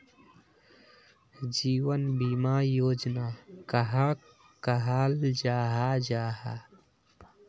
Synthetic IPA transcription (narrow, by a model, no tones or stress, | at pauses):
d͡ʒiːwənbimaːjoːd͡ʒnaːkəɦa | kəɦaːld͡ʒaːɦad͡ʒaːɦa